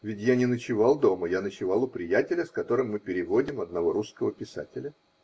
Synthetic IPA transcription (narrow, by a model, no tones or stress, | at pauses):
vʲɪtʲjanʲɪnət͡ɕɪvɑlˠd̪o̞məjanət͡ɕɪvɑlˠʊpɾʲɪjætʲɪlʲəskɐt̪o̞ɾɨmːɨpʲɪɾʲɪvodʲɪmɐd̪̚nɐvo̞ɾuskəvəpʲɪsa̰tʲɪlʲə